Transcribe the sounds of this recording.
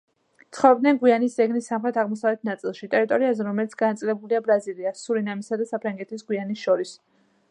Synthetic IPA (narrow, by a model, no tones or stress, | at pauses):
t̪sʰχɔvɛbd̪nɛnɡwianisdzɛɡnisːamχɾɛt̪ʰaʁmɔsavlɛt̪̚ʰnat̪sʼilˠʃit̪ʼɛɾit̪ʼɔɾiazɛɾɔmɛlit̪sʰɡ̥anat̪sʼilɛbuliabɾaziliasːuɾinamisad̪asapʰɾaŋɡɛt̪ʰisɡwianisʃɔɾis